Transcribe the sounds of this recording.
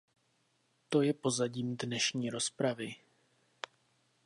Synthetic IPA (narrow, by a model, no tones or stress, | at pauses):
t̪o̞jɛpo̞zaɟiːmdnɛʃɲiːɾo̞spɾavɪ